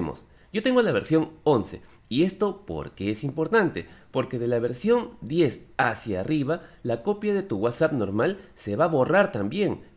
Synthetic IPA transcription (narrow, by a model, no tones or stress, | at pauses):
mo̰s | jo̞t̪e̞ŋɡo̞laβe̞ɾsjo̞ŋo̞nse̞̰ | ie̞st̪o̞po̞̰ɾkeesimpo̞ɾt̪ant̪e̞̰po̞ɾke̞ðe̞laβe̞ɾsjo̞nd̪je̞sasjariβalako̞pjaðe̞t̪uɣwat̪sapno̞ɾmalse̞βaβo̞raɾt̪ambje̞ŋ